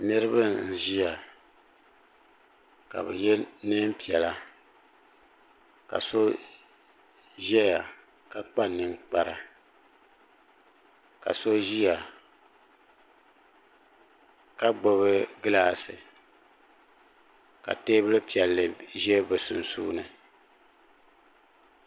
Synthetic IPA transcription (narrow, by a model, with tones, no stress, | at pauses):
nɨ˦ɾɨ˦bɨ˦n̩˦˨ʒi˦ja˨ | ka̰˨bɛ̰˨jɛ˦nɨ˦m˦pi˨ɛ˨la˦ | ka̰˨so˦ | ʒɛ˦ja˨ | ka˨k͡pa˦nɨ˦ŋk͡pa˦ɾa˨ | ka̰˨so˦ʒi˦ja˨ | ka˦ɡ͡bo˦βɨ˦ɡɨ˦laː˦˨sɨ̰˨ | ka̰˨teː˦bɨ˦lɨ˦pi˨ɛ˨lːɨ˨ʒɛ˦bɛ˨su˨n˨suː˦nɨ˨